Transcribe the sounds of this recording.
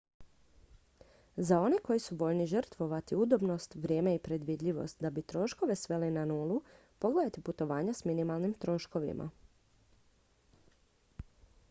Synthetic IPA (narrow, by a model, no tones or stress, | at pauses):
zao̞ne̞ko̞jisuʋo̞ʎniʒərt̪ʋo̞ʋat̪iud̪o̞bno̞st̪ʋɾʲje̞ːmeipɾe̞d̪ʋiːd̪ʎiʋo̞̰st̪̚d̪abit̪ɾo̞ʃko̞ʋe̞sʋe̞linanuːlˠu | po̞ɡledat̪iput̪o̞ʋaːɲasminimalˠnimt̪ɾo̞ʃko̞ʋḭmʔa̰